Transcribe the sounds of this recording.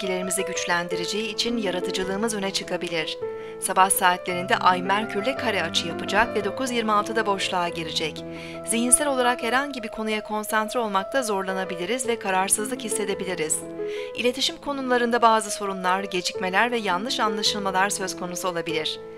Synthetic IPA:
ɟilʲe̞ɾimizɛɟyt͡ʃlʲænd̪iɾed͡ʒe̞jiːt͡ʃʰinjaɾat̪ʰɯd͡ʒɯlˠɯːmɯzø̞nɛt͡ʃʰɯkʰabilʲiɾ̝̥ | sabahsaːt̪lʲe̞ɾind̪ɛʔajmæɾcʰyɾlʲɛkʰaɾɛat͡ʃʰɯjapɯd͡ʒakvɛd̪o̞kuzjiɾmialˠt̪ʰɯd̪abo̞ʃlˠaːɟeɾʲid͡ʒɛc | z̥iɦinsælʲo̞lˠaɾakheɾɦanɟibikʰo̞nujakʰo̞nsant̪ɾio̞lˠmak̚t̪ʰazo̞ɾlˠanabilʲiɾizvɛkʰaɾaɾsɯzlˠɯkhisːe̞d̪e̞bilʲiɾiz̥ | ilʲe̞t̪ʰiʃimkʰo̞nulˠaɾɯnd̪abaːzɯso̞ɾunlˠaɾɟe̞d͡ʒicme̞lʲæɾvɛjanlˠɯʃanlˠaʃɯlˠmalˠaɾsø̞zkʰo̞nusuo̞lˠabilʲiɾ̝̥

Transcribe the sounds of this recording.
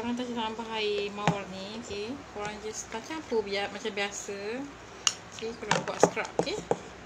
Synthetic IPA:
oɾaŋt̪̬at͡ʃat̪aambaɦajmawarnioke | oɾaŋd͡ʒast̪at͡ʃampubiaʔ̪̚mat͡ʃambiasə | okekalabwa̰ʔskɾa̰p̚ke

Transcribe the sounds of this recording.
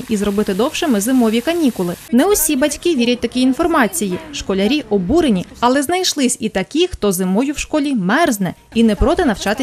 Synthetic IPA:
ʔizɾɔbɪt̪ɪd̪ɔwʃemɪzɪmɔʋʲikɐnʲikʊlˠɪnɛɔsʲibɐtʲkɪʋʲiɾʲɐt̚ʲt̪ɐkiinfɔrmɑt͡sʲijiʃkɔlʲɐɾʲiʔɔbuɾenʲiɐlˠɛznɐjʃlˠɪsʲit̪ɐkʲixt̪ɔzɪmɔjʊwʃkɔlʲimɛrznɛ | inɛpɾɔt̪ɪnɐwt͡ʃɑt̪ɪ

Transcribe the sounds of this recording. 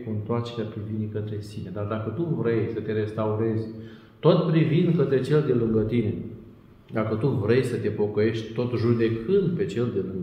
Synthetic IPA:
kuɨnt̪oart͡ʃe̞ɾeapɾivinekət̪ɾe̞sine̞d̪ard̪akət̪uvɾe̞jsət̪e̞ɾe̞st̪auɾe̞zʲ | t̪o̞t̪pɾivind̪kət̪ɾe̞t͡ʃe̞ld̪e̞lɨŋɡət̪ine̞ | d̪akət̪uvɾe̞jsət̪e̞po̞kəje̞ʃt̪ʲt̪o̞t̪ʒud̪e̞kʰɨnd̪̚pe̞t͡ʃe̞ld̪elɨŋɡ

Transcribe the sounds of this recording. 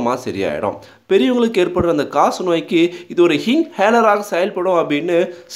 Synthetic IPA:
maːsɐɾɪ̰ja̰ːjɪ̰ɽõ̰ː | pɛɾɪjʊŋɡɐɭɯkːeːrpɐʈːɐnd̪ɐkaːsnoːjɪkːɯɪðɯɔɾɯhɪŋheːlɐɾaːɣɐsɛjɐlpɐɽʊ̃ɐpːɐɽɪnːɯs

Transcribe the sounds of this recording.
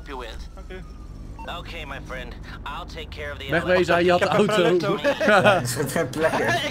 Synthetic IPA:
pjəwɪð | oʊkʰeɪmaɪfɹɛ̃nd̥ | aɪlˠtʰeɪkʰːɛɹʌvðimɛχmejzɛjjəɑtəawto | ɪsətrɛplɛkəɹ

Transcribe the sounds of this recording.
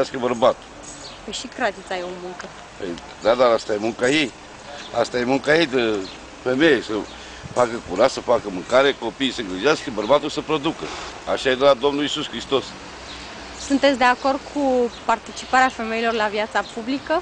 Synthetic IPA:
askəbərbat̪u̥ | peʃikɾad̪it̪sʲajo̞muŋkə | pḛj | d̪ad̪aɾast̪ajemuŋkajej | ast̪ajemuŋkajejd̪ə | femejesə | fakəkuɾat̪səfakəmɨŋkaɾeeko̞pijsəɨŋɡɾiʒeaskəbərbat̪ulsəpɾo̞d̪ukə̰aʃajed̪əlad̪o̞mnulisuskɾist̪o̞s | sunt̪et̪sʲd̪e̞ako̞rd̪̚kʰupart̪it͡ʃi̥paɾeafe̞me̞ilo̞rlavjat̪sapublikə

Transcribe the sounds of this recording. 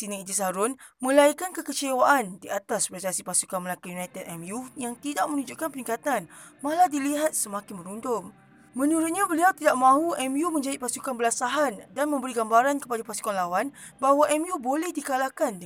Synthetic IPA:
sinãid͡ʒis̬aɾʊnmə̃laikankəkət͡ʃewaʔandiat̪aspɾest̪asipasukanməlakujunajt̪ədɛmjujaŋt̪idaʔ̚mə̃nũd͡ʒuʔkanpənĩŋkat̪an | maladiliɦat̪̚səmãkɪnmə̃ɾundʊŋ | mə̃nuɾʊt̪̚ɲãbəliawt̪idaʔmãɦuʔɛmjumə̃ɲd͡ʒaitpasukanbəlasaɦandanmə̃mbəɾiɡambaɾankəpadapasu̥kanlawan | baɦwaʔɛmjubolɛhdikalakan

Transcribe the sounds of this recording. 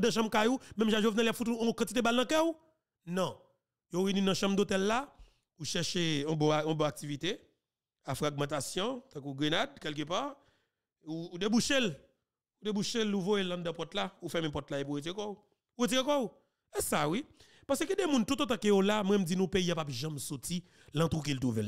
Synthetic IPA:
d̪ɐ̃ʃ̬ɐ̃mkajumɛ̃mʒaʒovnɛljapfut̪uɔ̃kɐ̃tt͡sit̪̬ebalnɐ̃kɛu | nɔ̃ | jovinĩnɐ̃ʃɐ̃md̪ot̪ɛlːa | uʃɛʃeɔ̃bɔ̃ɔ̃bɔ̃ak̚tivit̪e | afʁaɡ̚mɑ̃t̪asjɔ̃t̪ãkuɡʁenad̪̚kɛlk̬øpaʁ | uːd̪ebuʃel | udebuʃeluvojelɐ̃d̪ɐ̃pɔt̪laufɛmẽpɔt̪lajepuetẽkɔu | uɣet̬iẽkɔu | ɛsawi | pasekĩdemũnt̪ut̪ot̪ãkejolamwɛ̃md͡zinũpeijapapʒɐ̃msoti | lɐ̃t̪ɣuk̬ilt̪̬uvɛl

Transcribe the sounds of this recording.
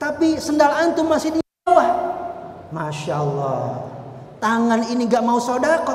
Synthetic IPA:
t̪apisəndalaʔːnt̪umasɪhdiawah | maʃaəlːɔ̰ | t̪aŋaniniŋɡaʔmausodakɔ

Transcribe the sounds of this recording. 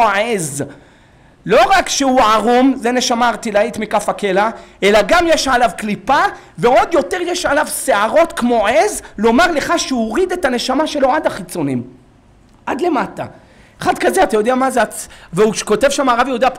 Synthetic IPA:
ʕez | lo̞ʁakʃeuʕaʁumzene̞ʃamaːʁt̪ilait̪mikafakelae̞laɡamjeʃʕalavklipa | veo̞d̪jo̞t̪eʁjeʃʕalavseaʁo̞t̪kmo̞ʕezlo̞maʁle̞χaʃeuoʁid̪e̞t̪ane̞ʃamaʃe̞lo̞ʕad̪aχit͡so̞nḭm | ʔad̪le̞mata̰ | eχad̪kazeat̪ajo̞d̪eamazeaveuʃko̞te̞vʃamaʁavjeud̪a

